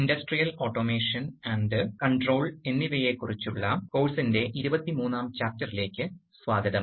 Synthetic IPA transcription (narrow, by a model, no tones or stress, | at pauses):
indɐsʈrijɐlo̞ːʈːo̞ːmeːʂɐnɐɳdɨkɐɳʈro̞ːɭe̞nːiʋeːje̞kːurit͡ɕːuɭːɐko̞ːlsinde̞ʔiɾubɐt̪ːimuːnːaːmt͡ɕaːr̚tːɐrile̞ːkʲːɨ | sʋaːd̪ʱjɐðɐm